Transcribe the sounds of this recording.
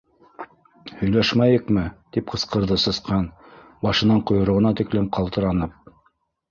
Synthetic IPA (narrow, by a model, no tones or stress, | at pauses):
hɵ̆jlæʃmæjɤ̆kmɘt̪ip̚qɤ̆sqɤ̆ɾðɤsɤ̆sqɑn | bɑʃɤ̆nɑɴqŏjŏɾŏʁɤ̆nɑt̪ɘ̆klɘmqʰɑlˠt̪ɤ̆ɾɑnɤp̚